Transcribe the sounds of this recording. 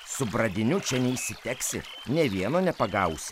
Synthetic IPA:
sʊbɾɐd̪ʲɪnʲʊt͡ʃʲɛnʲɛisʲɪt̪ʲɛksʲɪ̰ | nʲɛʋʲiɛnoːnʲɛpɐɡɐʊsʲɪ

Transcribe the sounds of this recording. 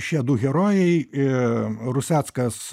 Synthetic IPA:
ʃʲiɛd̪uːɣʲɛɾoːjɛɪ | ɾʊsʲæːt̪skɐs

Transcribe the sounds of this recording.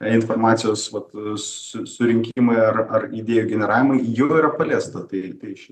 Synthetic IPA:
ɪnfoːɾmɑːt̪sʲɪjoːsʋɐt̪sʊsʊɾʲɪŋʲkʲiɪmɐɪɐɾɐrid̪ʲeːjʊɡʲɛnʲɛɾɑːʋʲɪmɐɪjoːiːɾɐpɐlʲeːst̪ɐt̪ɐɪt̪ɐɪʃʲɪ

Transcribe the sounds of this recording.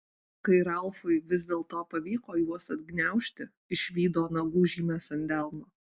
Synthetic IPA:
kɐɪɾɐlˠfʊɪʋʲɪzʲd̪ʲeːlˠt̪oːpɐʋʲiːkoːjuɔsɐd̪ʲɡnʲæˑʊʃʲt̪ʲɪ | ɪʃʲʋʲiːd̪oːnɐɡuːʒʲiːmʲeːsɐnʲd̪ʲɛlˠmoː

